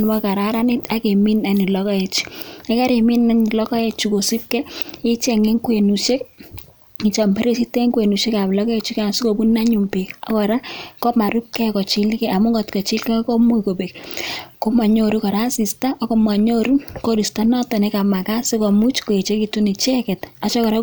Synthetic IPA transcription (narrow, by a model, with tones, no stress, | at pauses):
nwa˦ka˨ɾa˦ɾa˦nɪ˦ta˦ke˨mi˦na˨ni˨lɔ˦kɔ˦e˨t͡ʃi̥˦a˦ka˦ɾe˨mi˦na˦ni˨lɔ˦kɔ˦e˦t͡ʃi˦ko˨si˦p̚kɛ˦ɪ˦t͡ʃɛ˨ŋe˦ŋkwe˨nu˨ʃe˦k̚ | i˨t͡ʃa˨mbe˦ɾe˦si˦te˦ŋkwe˨nu˨ʃe˦ka˨blɔ˦kɔ˦e˦t͡ʃi˦ka˨n˨si˦ko˨bu˦na˦ɲu˨mpe˨ɔ˦kɔ˨ɾa˦kɔ˦ma˨ɾu˦p̚kɛ˦kɔ˨t͡ʃi˦lkɛ˦a˨mʊ˦ɡɔ˨tkɔ˨t͡ʃɪ˦lkɛ˦kɔ˦mu˦˨ko˨be˨kko˦ma˨ɲo˦ɾu˦kɔ˨ɾa˦si˨sta˦ʔɔ˦kɔ˨ma˨ɲo˦ɾu˦nko˦ɾi˨sta˦nɔ˦tɔ˨ne˦ka˨ma˨ka˦sɪ˦kɔ˨mu˦t͡ʃko˨e˨t͡ʃe˦ki˨tu˦ni˨t͡ʃɛ˦kɛ˨ta˨t͡ʃɔ˦kɔ˨ɾa˦